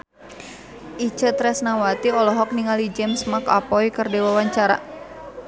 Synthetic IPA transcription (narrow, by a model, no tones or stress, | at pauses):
ʔit͡ʃət̪ɾɛsnawat̪iɔlɔɦɔk̚niŋalid͡ʒɛmsmaka̰pɔikərdɛwawaɲt͡ʃaɾa̰